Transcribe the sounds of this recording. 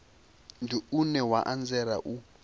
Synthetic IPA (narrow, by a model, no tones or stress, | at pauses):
ndiunɛwaʔand͡zɛɾa̰ʔu